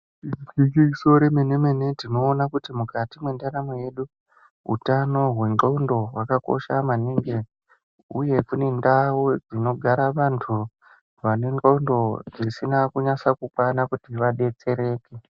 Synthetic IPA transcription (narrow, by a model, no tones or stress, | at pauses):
kikiiso̞ɾemene̞me̞ne̞tino̞ːnakutimukatimwe̞ndaɾamoje̞ɗu | ɦṵtano̞ɦwe̞ŋɡoundo̞wakako̞̰ʃamaniŋɡe | uje̞kune̞ndawud͡zino̞ɡʱaɾaʋantʰu | ʋane̞ŋɡoundo̞d͡zisinakuɲasakukwanakutiʋaɗe̞t͡se̞ɾe̞ːke